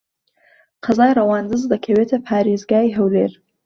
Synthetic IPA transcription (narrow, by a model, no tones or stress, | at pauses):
qʰɐzaːjrɐwaːnd̪ɨzd̪ɐkʰɐweːt̪ʰɐpʰaːɾeːzɡaːiɦɐwlḛːɾ